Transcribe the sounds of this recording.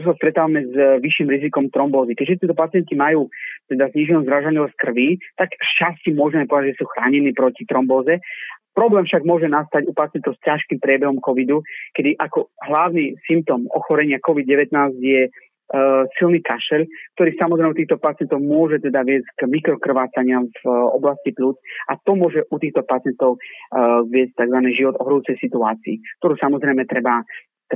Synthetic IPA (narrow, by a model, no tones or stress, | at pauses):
usast̪ɾɛt̪aːʋamɛzʋiʃiːmɾizikɔmt̪ɾɔmbɔːzikɛɟʒɛt̪̬ɛt̪ɔpat͡sɪɛnk̪imajuːt̪ɛd̪azɲiʒɛnɔzɾaʒaliskr̩ʋiːt̪akʃt͡ʃascimʊɔʒɛmɛpɔɛd̪aʒɛsuːxɾaːɲɛniːpɾɔcit̪ɾɔmbɔːzɛpɾɔblɛːmfʃaɡmʊɔʒɛnast̪aɟupat͡sɪɛnt̪ɔʊscaʃkiːmpɾɪɛbɛɦɔmkɔʋid̪ukɛd̪iʔakɔɦlaʋʊnisimp̚t̪ɔmɔ̰xɔɾɛɲɪakɔʋid̪̚ɟɛʋɛt̪naːzɟjɛ | silniːkaʃɛʎk̚t̪ɔɾiːsamɔzɾɛjmɛut̪iːxt̪ɔpat͡sɪɛnt̪ɔʊmʊɔʒɛt̪ɛd̪aʋɪɛzcɡmikɾɔkr̩ʋaːt͡saɲɪamvɔ̰blasciplut͡sat̪ɔmʊɔʒɛʔut̪iːxt̪ɔpat͡sɪɛnt̪ɔʊʋɪɛsc̚t̪aɡzʋaniːʒiʋɔd̪ɔɦɾuːt͡sɛjsit̪ua̰ːt͡siːk̚t̪ɔɾuːsamɔzɾɛjmɛt̪ɾɛba | t̪